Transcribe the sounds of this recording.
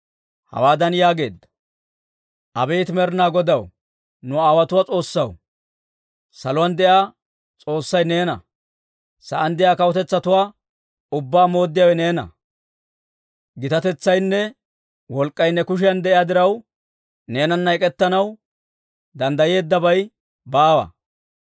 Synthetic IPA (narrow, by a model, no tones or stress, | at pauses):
hɐ̰waːd̪ɐnjaːɡe̞ːd̪ːɐ̥ | ʔɐbɛjt̪mɛɾnaːɡɔd̪ɐw | nʊaːwɐt̪ʊwaːt͡sʼo̞ːsːɐw | sɐlʊwɐnd̪ɛʔjaː | t͡sʼo̞ːsːɐjne̞ːnɐ̰ | sɐʔɐnd̪ɛjaːkɐwɔt̪ɛt͡sːɐt̪ʊwaː | ʊbːaːmo̞ːd̪ːɪjawɛne̞ːnɐ̰ | ɡɪt̪ɐt̪ɛt͡sːɐjnːɛ | wɔlkʼːɐjnːɛkʊʃ̬ɪjɐnd̪ɛʔɪjaːd̪ɪɾɐw | ne̞ːnɐnːɐjkʼɛt̪ːɐnɐw | d̪ɐnd̪ɐje̞ːd̪ːɐbɐj | baːwɐ̰